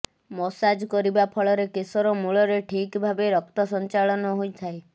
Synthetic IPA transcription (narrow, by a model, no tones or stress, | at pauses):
mɔsad͡ʒkɔɾibapʰɔɭɔɾekesɔɾɔmuɭɔɾeʈʰikbʱabeɾɔkt̪ɔsɔnt͡ʃaɭɔnɔɦojt̪ʰae